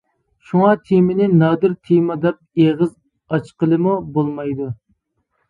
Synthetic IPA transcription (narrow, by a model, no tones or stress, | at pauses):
ʃuŋɑt̪ʰemɪnɪnɑːd̪ɨɾt̪ʰemɑd̪ɛp̚eʁɨz | ɑt͡ʃqəlˠɨmubolˠmɑjd̪u